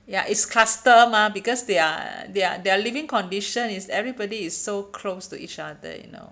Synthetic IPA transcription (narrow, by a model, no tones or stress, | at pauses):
jaʔitskʰlastəmabikɔsdea̰dea̰dɛalivĩŋkɔ̃ndiʃə̃nisɛvɹibɔdiːsːokʰlostṵʔḭt͡ʃadə̰jṵno̰